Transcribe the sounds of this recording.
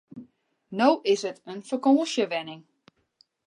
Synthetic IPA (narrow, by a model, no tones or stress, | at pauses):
nowʔɪsətənfərkoːʃjəʋɛnɪŋ